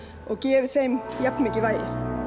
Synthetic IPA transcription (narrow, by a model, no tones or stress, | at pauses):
ɔɣcɛːvɪθejmjapnmɪːcɪvajðɪ̰